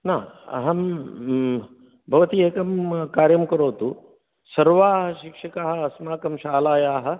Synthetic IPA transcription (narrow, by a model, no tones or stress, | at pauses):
naːɐ̰ɦɐm | bʱɐʋɐt̪ieːkɐmkaːɾjɐmkɐɾoːt̪u | sɐɾʋaːɦɐʃikʂɐkaːɦɐ̆ɐsmaːkɐmʃaːlaːjaːɦɐ̆